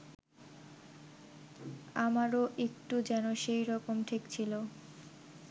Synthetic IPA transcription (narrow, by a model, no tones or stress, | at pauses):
amaɾoʔek̚ʈud͡ʑɛnoʃejɾɔkomʈʰikt͡ɕʰilo